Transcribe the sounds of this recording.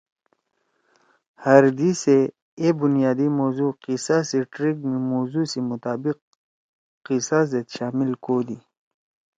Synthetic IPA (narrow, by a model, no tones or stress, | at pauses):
hɐɾd̪ise | ebunjaːd̪imoːzuqisasiʈɾiɡmimoːzusimʊt̪aːbiq̚ː | isazet̪ʃaːmilkoːd̪i